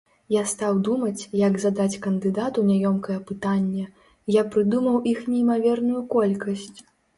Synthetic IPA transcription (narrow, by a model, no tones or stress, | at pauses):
jast̪awd̪umɐt͡sʲjaɡzad̪at͡sʲkɐnd̪ɨd̪at̪unʲajɔmkɐjɛpɨt̪anʲːɛ | japɾɨd̪umɐwʔixnʲɛimavʲɛrnujukɔlʲkɐsʲt͡sʲ